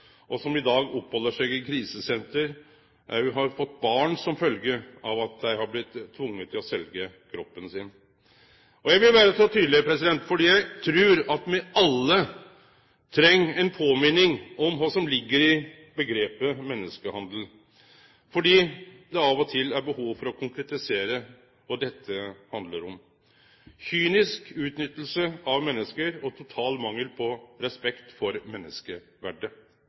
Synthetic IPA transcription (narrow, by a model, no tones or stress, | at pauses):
ʔɔsɔmɪd̪ɑːɡɔpːhɔlːəʂɛɡɪkʰɾiːsəsɛnt̪əɾ | æɦɑɾfɔt̪ːbɑːɳsɔmfœlɡəɑʋɑt̪̚d̪æɪhɑɾblɪt̪ʰːʋʊŋːət̪ʰːɪlɔsɛlɡə | kʰɾɔpːənsɪn | ɔjæɪʋɪlʋæːɾəsɔt̪ʰyːd̪lɪpʰɾɛsɪd̪ɛnt̪fɔɖiːjæɪt̪ʰɾʉːɾɑt̪mɛɑlːə | t̪ʰɾɛŋːɛnpʰoːmɪnɪŋɔmʋɑːsɔmlɪɡːəɾɪ | bəɡɾeːpəmɛnːəskəhɑnd̪əl̩ | fɔɖiːd̪ɛɑʋɔt̪ʰɪlːæɾbəhuːʋfɔɾɔkʰʊŋkɾɛt̪ɪseːɾə | ɔd̪ɛt̪ʰːəhɑnd̪ləɾɔm | çyːnɪskʉːt̪nʏt̪ːl̩səɑʋmɛnːəskəɾɔt̪ʰʊt̪ʰɑːlmɑŋːəlpʰɔɾɛspɛkt̪fɔɾmɛnːəskə | ʋæ̰ɖə